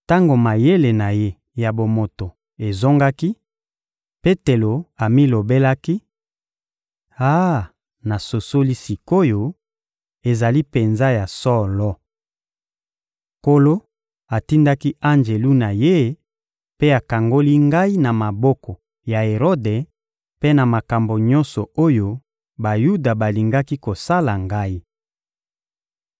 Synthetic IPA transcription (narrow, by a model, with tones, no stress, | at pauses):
ta˦ŋɡo˨ma˨je˦le˨na˨je˦ | ja˨bo˨mo˨to˨ | e˨zo˦ŋɡa˦ki˦ | pe˦te˨lo˨a˨mi˦lo˨be˦la˦ki˦ | a˦ | na˨so˨so˦li˦si˨ko˦jo˨ | e˨za˨li˦pe˨nza˦ja˨sɔ˦˨lɔ˦ | ko˦lo˦ | a˨ti˦nda˦ki˦a˦nd͡ʒe˨lu˦na˨je˦ | pe˦a˨ka˨ŋɡo˦li˦ŋɡa˦i˦na˨ma˨bɔ˦kɔ˨ | ja˨e˨ʁo˦de˨ | pe˦na˨ma˨ka˨mbo˨ɲɔ̃˦nsɔ˨o˦jo˦ | ba˨ju˦da˨ba˨li˨ŋɡa˦ki˦ko˨sa˦la˨ŋɡa˦i˦